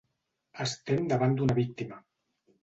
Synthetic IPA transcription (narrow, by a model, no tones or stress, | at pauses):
əst̪emd̪aβand̪unaβik̚t̪ima